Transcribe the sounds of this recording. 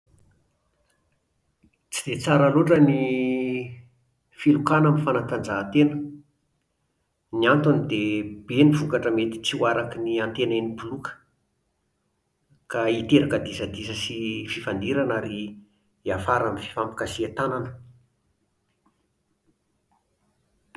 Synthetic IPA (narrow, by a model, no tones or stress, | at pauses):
t͡sid̪et͡saɾəloʈ͡ʂəni | filukanamifanakand͡zaɦt̪enə | niant̪unid̪eb̥enivukaʈ͡ʂəmet̪i̥t͡siuaɾakiniant̪enanipulukə̥ | kait̪eɾakəd̪isəd̪isəsififand̪iɾanaɾi | afaɾamfi̥fampi̥kasiat̪ananə̥